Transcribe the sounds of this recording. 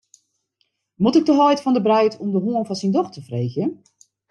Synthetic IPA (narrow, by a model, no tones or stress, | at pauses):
mutɪɡ̚dəɦɔjtfɔndəbrɛjtʰɔmdəɦuənfɔnsindɔxtəfrejxjə